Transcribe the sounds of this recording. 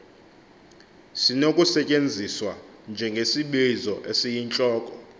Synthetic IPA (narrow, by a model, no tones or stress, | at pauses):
sinokʼusɛt͡ʃʼend͡zʱiswa | nd͡ʒʱɛŋɡʱesiɓizɔʔesijint͡ɬʼɔːkʼɔ